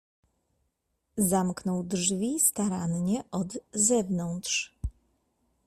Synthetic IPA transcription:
zamknɔwdʐvʲist̪aɾanɲɛʔɔd̪zɛvnɔnt̪ʂ

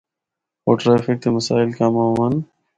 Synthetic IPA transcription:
oːʈɾeːfɪk̚t̪emɐsaːɪlkaːmaːwɐn

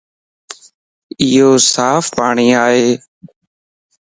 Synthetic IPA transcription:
ɪːɦoːsaːfpaːɳ̃iːaːɦeː

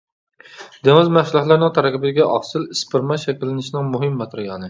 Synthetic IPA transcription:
d̪̥eŋɨzmæhʃlˠɑχlˠɨɾnɨŋt̪ʰɑɾɛkʲɪbɪd̪ɪɡʲɛʔɑχsɨlispɪɾmɑʃɛkʲilːɪnɪʃnɪŋmuɦɪmːɑt̪ʰɾɨjɑːnɨ

